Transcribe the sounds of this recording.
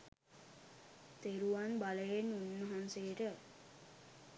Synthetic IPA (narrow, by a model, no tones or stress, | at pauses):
t̪eɾuʋanbaləjenːunːəɦansejːʈə